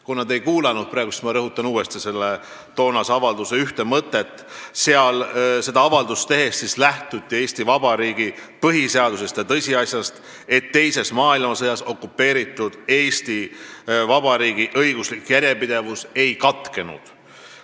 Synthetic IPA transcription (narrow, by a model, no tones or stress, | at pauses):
kunːɑd̪e̞jkuːlɑnud̪̥̚prɑːɡust̪mɑɾɤɦut̪ːˑɑnuːe̞st̪ise̞lːe | t̪o̞ːnɑsɑvɑld̪useyht̪emɤt̪ːˑe̞t̪ː | seɑlse̞d̪ɑɑvɑld̪ust̪e̞ɦe̞st̪sislæht̪ut̪ːie̞ːsʲt̪ivɑbɑɾiːɡ̥ipɤɦiseɑd̪use̞st̪jɑt̪ɤsʲiɑsʲjɑst̪ | e̞t̪ːe̞jse̞smɑːilmɑsɤjɑso̞kːupːe̞ːɾit̪ːˑud̪̥e̞ːst̪ivɑbɑɾiːɡ̥iʔɤjɡ̥uslikːjæɾʲjepid̪̥e̞vuse̞jkɑt̪ˑke̞nṵd̪̥